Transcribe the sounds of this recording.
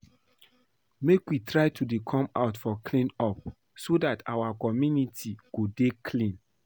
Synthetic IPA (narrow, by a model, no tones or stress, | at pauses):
mekwitɹaɪtʰudekʰɔ̃ma̰ʊtfɔkʰlĩnɔp̚ | sodata̰wakɔmjunitʰiɡodekʰlĩn